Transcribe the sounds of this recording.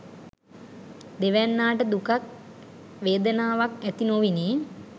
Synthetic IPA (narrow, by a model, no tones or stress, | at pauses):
d̪eʋænːaːʈəd̪ukak̚ | ʋeːd̪ənaːʋakæt̪inoʋiniː